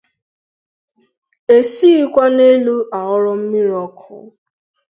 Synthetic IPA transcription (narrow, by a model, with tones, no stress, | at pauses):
e˨si˦i˦kʷa˦ne˦lu˦ʔa˨ʊ˦ɾɔ˦m̩˦mi˦ɾɔ˦kʰʊ̰˨